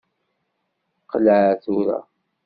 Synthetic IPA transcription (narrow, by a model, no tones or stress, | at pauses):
qəlʕaθuɾa̰